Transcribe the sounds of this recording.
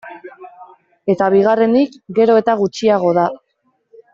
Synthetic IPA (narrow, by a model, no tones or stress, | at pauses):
e̞t̪aβ̞iɣ̞are̞ndikɡe̞ɾo̞e̞t̪aɣ̞ut͡ʃiaɣo̞ða